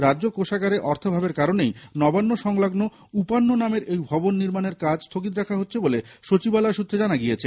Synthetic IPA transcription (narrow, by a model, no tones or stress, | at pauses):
ɾadːʑokoʃaɡaɾeʔɔɾt̪ʰobʱabeɾkaɾonejnɔbanːoʃɔŋlaɡno | upanːonameɾʔejbʱɔbonːiɾmaneɾkad͡ʑst̪ʰokit̪ɾɛkʰaɦotːɕʰeboleʃot͡ɕibalaʃut̪ʰɾed͡ʑanaɡiet͡ɕʰe